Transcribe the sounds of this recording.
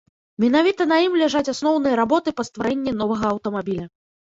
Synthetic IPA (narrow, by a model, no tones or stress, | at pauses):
mʲɛn̪avʲit̪ɐnɐjimlʲɛʐat͡sʲasnɔwnɨjɐɾabɔt̪ɨpɐst̪vaɾɛnʲːɛnɔvɐɣɐɐwt̪ɐmabʲilʲɐ